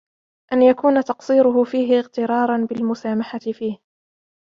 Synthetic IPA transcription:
ʔanjakuːnat̪ɑqsˤiːɾʊɦʊfiːɦɪɪɣt̪ɪɾˤɑːɾˤɑnbɪlmʊsaːmaħat̪ɪfiːh

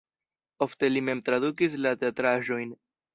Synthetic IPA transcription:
o̞ft̪e̞lime̞mt̪ɾaðukis̬lat̪eat̪ɾaʒo̞jn

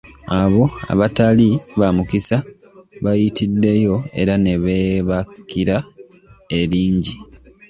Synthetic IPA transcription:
aβo̞a̰βataliβamukisa | βajitidːe̞jo̞e̞̰ɾane̞βe̞βakːiɾa | e̞ɾiːɲɟi

